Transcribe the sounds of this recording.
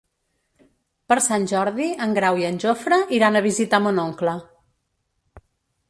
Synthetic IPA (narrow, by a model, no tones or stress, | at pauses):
pəɾsanʲʒɔɾðiəŋɡɾawiənʲʒofɾəʔiɾanəβ̞izit̪amonoŋklə